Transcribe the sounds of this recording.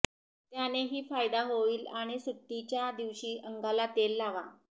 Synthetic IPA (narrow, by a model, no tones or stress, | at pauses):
t̪janeɦiːfajd̪aɦoiːlaɽ̃isut̪ːit͡ɕjad̪iʋɕiːʔəŋɡalat̪elːaʋa